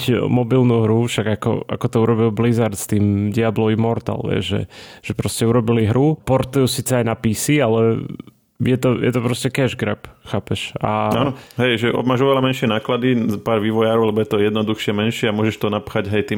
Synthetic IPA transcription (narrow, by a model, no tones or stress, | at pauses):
cmɔbilnuɦɾufʃaɡakɔ̰a̰kɔt̪ɔuɾɔbilˠblizaɾt̪st̪iːmdiablɔʋimɔɾt̪a̰lʋɛ̰ʒʒɛ̰ʒ̥ɛpɾɔscɛuɾɔbiliɦɾupɔɾt̪ujusiːt͡sɛajnapisialɛ | jɛt̪ɔjɛt̪ɔpɾɔscɛkɛʒɡɾɛ̰pxaːpɛʃa̰aːnɔɦɛjʒɛʔɔ̰maːʒɔʋɛlamɛnʃɪɛnaːklad̪ipaːɾʋiːʋɔjaːɾɔʊlɛbɔjɛt̪ɔjɛd̪nɔd̪uxʃɪɛmɛnʃɪɛamʊɔʒɛʃt̪ɔnapxaɟɦɛjt̪iːm